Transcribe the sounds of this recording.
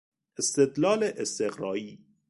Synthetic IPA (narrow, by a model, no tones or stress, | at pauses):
est̪ed̪lɑːleʔest̪eɣɾɒːiː